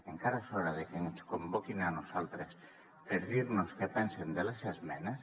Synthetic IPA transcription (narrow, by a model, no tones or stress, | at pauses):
eŋkaɾasoɾaðekeŋoskombokinanosalt̪ɾes | peɾðiɾnoskepɛnsend̪elasezmɛnas